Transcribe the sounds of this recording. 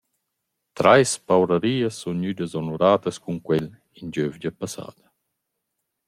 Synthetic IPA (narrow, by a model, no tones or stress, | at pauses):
t̪ɾajspawɾaɾiːəsːunɲyd̪əzɔnuɾaːt̪ɐskuŋkwɛl | ind͡ʒøvd͡ʒapasa̰ːd̪ɐ